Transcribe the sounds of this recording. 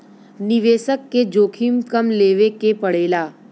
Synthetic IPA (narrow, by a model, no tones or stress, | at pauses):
nɪʋeːʃəkːed͡ʒoːkʰimkəmleːʋekepəɽ̤eːlaː